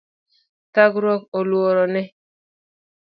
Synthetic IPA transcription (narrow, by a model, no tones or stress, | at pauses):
taɡɾɔkolwoɾɔnɛ